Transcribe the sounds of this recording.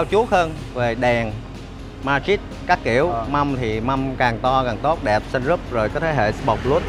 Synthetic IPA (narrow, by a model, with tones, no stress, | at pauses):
a˧wt͡ɕu˨˦əhəː˧n | ve˨˩ɗɛ˨˩ŋ | maː˧t͡ɕi˦˥t̚kaː˦˥kːḭ˧˩˨əwma˧mt̪ʰi˨˩ma˧mkaː˨˩ŋt̪ɔ˧ka˨˩ŋt̪o˦˥t̚ɗɛ˨˩p̚sa˧nzɨ˦˥p̚zo˨˩jkɔː˨˦t̪ʰeː˨˦ɦḛ˧˨sɓɔ˨˩wk͡p̚lu˦˥ət̚